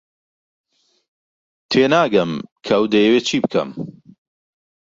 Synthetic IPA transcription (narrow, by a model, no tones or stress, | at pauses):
t̪ʰweːnaːɡɐmkʰɐwd̪ɐjəweːt͡ʃʰiːbkʰɐ̰m